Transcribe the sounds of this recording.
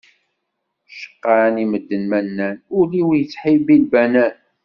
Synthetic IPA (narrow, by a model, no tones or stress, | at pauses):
ʃə̥qːɑniməd̪ːənmænːænʊliwjət͡sːħibilbænæn